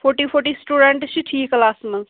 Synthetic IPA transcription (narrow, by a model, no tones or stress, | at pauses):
pʰoɾʈipʰoɾʈisʈuːɖeɳʈt͡ʃʰiʈʰiːkɐlaːsmɐŋ